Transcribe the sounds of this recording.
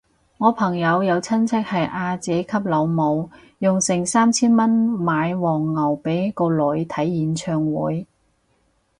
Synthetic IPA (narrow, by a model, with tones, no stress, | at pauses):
ŋɔː˨˧pʰɐ˨˩ŋjɐ˨˧wjɐ˨˧wt͡sʰɐ˥nt͡sʰɛ˥k̚hɐ˨jʔaː˧t͡sɛː˨˥kʰɐ˥p̚lɐ˨˧wmo˨˧w | jʊ˨ŋsɪ˨˩ŋsaː˥mt͡sʰiː˥nmɐ˥nmaː˨˧jwɔː˨˩ŋːɐ˨˩wpe˨˥jkɔː˧lɵ˨˧˥ɥt̪ʰɐ˨˥jːiː˨˥nt͡ʃʰœː˧ŋwuː˨˥j